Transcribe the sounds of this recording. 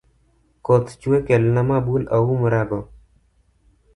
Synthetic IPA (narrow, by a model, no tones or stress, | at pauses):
koːt̪ʰt͡ʃueːkelnamaːbuːləuːməɾaːɡoː